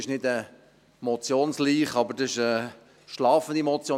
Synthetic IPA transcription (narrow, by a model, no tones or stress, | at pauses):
ɪʃnɪdə | mɔt͡sjoːnsliːχɑbəɾdɑɪʃə | ʃlɑːfən̩d̪imɔt͡sjoː